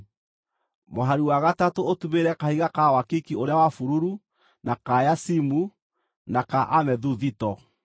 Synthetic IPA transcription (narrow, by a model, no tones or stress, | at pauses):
moɦaɾiwaɣatatootumeɾɛkahiɣakawakikioɾeawafuɾuɾu | nakajasimu | nakaʔamɛðuðitɔ